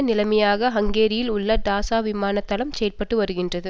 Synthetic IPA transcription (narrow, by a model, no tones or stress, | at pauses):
nɪlɐmɐjaːɣɐɦɐŋɡeːɾɪjɪlʊɭːɐɖ̪aːsaːʋɪmaːnɐt̪ːɐlɐmsɛjɐlpɐʈːɯʋɐɾɯɣɪndrɐðɯ